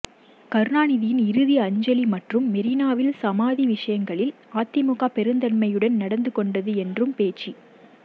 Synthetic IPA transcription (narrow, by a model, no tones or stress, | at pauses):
kɐɾɯnaːnɪðɪjɪnɪɾɯðiɐɲd͡ʒɐlimɐʈrɯmːɛɾɪnaːʋɪlsɐmaːðiʋɪʂɐjɐŋɡɐɭɪl | aːt̪ːɪmʊɣaːpɛɾɯnd̪ɐnmɐjɯɽɐnnɐɽɐnd̪ɯkɔɳɖɐðɯɛndrɯmpeːt͡ʃːi